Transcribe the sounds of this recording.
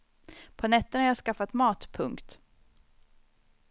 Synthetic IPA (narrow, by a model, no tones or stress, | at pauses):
pʰɔnɛt̪ːənhaɾjɑːskafːat̪mɑːt̪pʰɵŋkt̪